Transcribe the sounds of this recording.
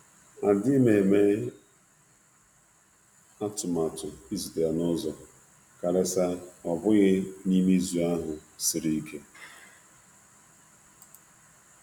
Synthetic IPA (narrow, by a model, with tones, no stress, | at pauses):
a˨dɪ˦me˨me˦ | a˦tʊ˨ma˨tʊ˨i˦zi˨de˨a˨nʊ˦zɔ˨ | ka˨ɾe˦sa˦ɔ˨bʊ˦ɣɪ˦ni˦mi˦zu˨a˦ɦʊ˨sɪ˨ɾi˦i˦kʰe˦